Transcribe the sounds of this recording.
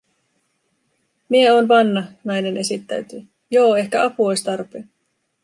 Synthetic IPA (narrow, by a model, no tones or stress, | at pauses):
mieo̞ːnʋɑnːɑnɑjne̞nʔe̞sit̪ːæ̰ɥt̪y | jo̞ːe̞hkæʔɑpuojst̪ɑrpeː